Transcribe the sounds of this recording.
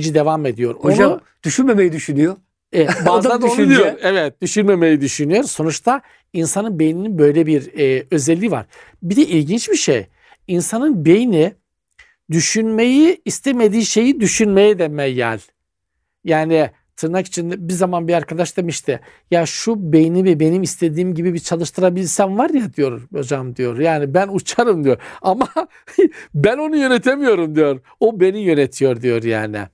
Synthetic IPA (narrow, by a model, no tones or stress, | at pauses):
d͡ʒid̪e̞vame̞d̪ijo̞ɾona | d̪̥yʃynmemejid̪yʃynyjo | ɛbod̪aad̪ʃnjoɾevɛt̪̚d̪̥yʃynme̞me̞jid̪yʃynyjo̞ɾso̞nut͡ʃt̪ʰa | insanɯnbejnininbø̞jlʲebiɾø̞zɛlʲːiva̰ɾ̥ | bid̪ɛʔilʲɟint͡ʃbiʃḛj | insanɯnbe̞jini | d̪yʃynme̞jiːst̪ʰeme̞d̪iːʃe̞jid̪yʃynmejɛd̪ɛmɛjjæ̰lʲ | jaːnɪ | t̪ʰɯɾnaki̥t͡ʃʰind̪ɛbizamanbiaɾkʰad̪aʃd̪e̞miʃt̪ʰɪ | jaʃube̞jinivɛbe̞nimist̪ʰe̞d̪iːmɟibibit͡ʃʰalˠɯʃt̪ʰɯɾabilʲɾsænvaɾjad̪ijo̞ɾod͡ʒamd̪ijo̞ɾjaːnibænut͡ʃʰaɾɯmd̪ijo̞ɾama | bæno̞nujø̞ne̞t̪ʰemijo̞ɾumd̪ijo̞ɾ | obe̞nijø̞net̪ʰijo̞ɾd̪ijo̞ɾja̰ːnɪ̰